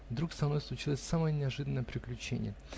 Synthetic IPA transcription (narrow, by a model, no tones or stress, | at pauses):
vd̪ɾukst̪ɾɐnojslˠʊt͡ɕilˠəsʲsaməjənʲɪɐʐɨd̪ənəjəpɾʲɪklʲʉt͡ɕḛnʲɪ̰jə